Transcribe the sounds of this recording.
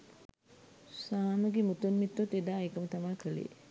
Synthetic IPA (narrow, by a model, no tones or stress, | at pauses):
saːnuɡimut̪unmit̪ːot̪ed̪aːekəmət̪amakəlḛ